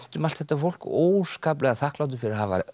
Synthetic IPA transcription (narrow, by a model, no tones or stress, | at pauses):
t̪ʏmalt̪θɛt̪ːafowl̥koːwskaːp̬lɛɣaθahklawt̪̬ʏfɪɾɪɾaɦava̰